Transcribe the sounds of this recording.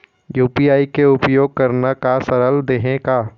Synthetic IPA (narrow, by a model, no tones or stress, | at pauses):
juːpiaːikeʊpjoːɡ̚kəɾnakasəɐɾəld̪eɦẽka